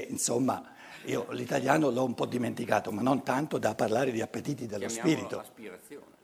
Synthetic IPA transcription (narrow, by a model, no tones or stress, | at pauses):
insomːa̰ | ḭːolit̪aljaːnolɔumpɔd̪ːiment̪ikaːt̪omanːont̪ant̪od̪apːarlaːɾed̪iapːet̪iːt̪id̪elːospiːɾit̪o